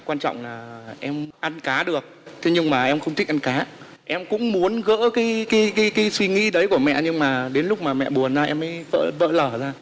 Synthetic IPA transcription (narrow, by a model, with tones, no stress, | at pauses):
kwaː˧nt͡ɕɔ̰˧˨wŋ͡mlaː˨˩ʔɛ˧mʔa˧nkaː˨˦ɗɨ˨˩ək̚t̪ʰe˨˦ɲɨ˧ŋmaː˨˩ʔɛ˧mxə˧wŋ͡mt̪ï˦˥k̚ʔa˧nkaː˨˦ | ʔɛ˧mkʊ̰˧˥ŋ͡mmu˨˦ənɣə̰ː˧˥kaː˨˦jkaː˨˦jkaː˨˦jkaː˨˦jswi˧ŋḭ˧˥ɗə˨˦jku˧˩əmɛ̰˧˨ɲɨ˧ŋmaː˨˩ɗe˨˦nlʊ˦˥k͡p̚maː˨˩mɛ̰˧˨ɓu˨˩ənzaː˧ʔɛ˧mːə˨˦jvə̰ː˧˨və̰ː˧˨ləː˧˩zaː˧